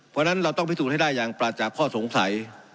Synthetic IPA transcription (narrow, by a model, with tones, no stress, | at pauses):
pʰɔː˧na˦˥nɾa˧wt̪ɔ˥˩pʰi˦˥suː˨˩ha˥˩daː˥˩jːaː˧ŋpɾaː˧˩t͡ɕaː˨˩kʰːɔː˥˩so˨˩˦ŋsa˩˦j